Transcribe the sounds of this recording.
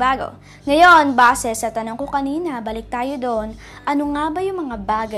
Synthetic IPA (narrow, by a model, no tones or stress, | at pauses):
baːɡo̰ | ŋɐjo̞nbaːsɛsɐt̪ɐnɐŋkokɐniːnɐbɐlɪk̚t̪aːjo̞d̪on | ʔɐnoŋaːbɐjʊŋmɐŋabaːɡɐ